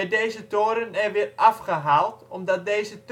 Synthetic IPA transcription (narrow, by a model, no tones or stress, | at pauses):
ɛdeːzətoːɾənɛʋɪərafχəɦaːlˠtɔmdɔt̚dejzət